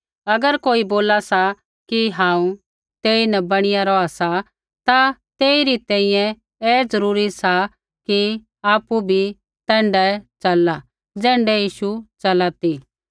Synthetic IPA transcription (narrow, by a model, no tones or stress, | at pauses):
ɐɡəɾkoːiboːlasa | kiɦãːũ | t̪eːinɛbɐɽ̃ɪjaɾɔːasa | t̪at̪eːiɾit̪ɛ̃ːĩjɛ̃ | ɛːd͡zɐɾuːɾisa | ki | aːpubʱi | t̪ɛ̃ːɳɖɛt͡ʃɐlːa | d͡zɛ̃ːɳɖɛjiːʃut͡ʃɐlaːt̪i